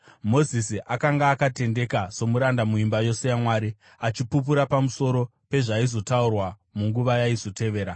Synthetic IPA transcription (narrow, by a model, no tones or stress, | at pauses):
mo̞zisiʔakaŋɡaːkate̞nde̞kaso̞muɾandamuimbajo̞se̞jamwaːɾi | at͡ʃipup̬uɾapamuso̞ɾo̞pe̞ʐaizo̞taurwa | muŋɡuʋajaizo̞te̞ʋe̞ːɾa